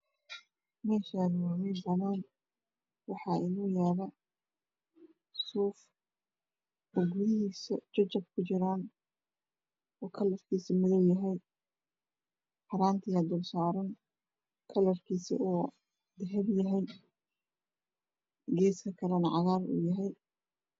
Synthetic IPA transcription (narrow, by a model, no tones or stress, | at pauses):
mɛːʃanwamɛnd̪ɐnaːn | wɑħɑːʔɪnuːjaːlɐ | suːf | ɔɡuðɪɦiːst͡ʃɔt͡ʃɐb̚kʰʊt͡ʃɪɾaːn | ɔːkʰɐlɐrkʰiːsimɪðɔwjɐɦɛj | ħɑɾaːnt̪ʰɪjɐd̪ʊlsaːɾɔn | kʰɐlɐrkʰiːsḭʔuː | d̪ɐɦɛbjɐɦɛj | ɡɛːskʰɐkʰɐlɐnʕɑɣaːrṵːjɐɦɛj